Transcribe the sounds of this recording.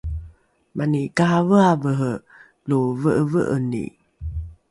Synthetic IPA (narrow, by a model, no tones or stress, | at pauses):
mʔanikaavəavəɦə | lovəʔəvəʔənḭ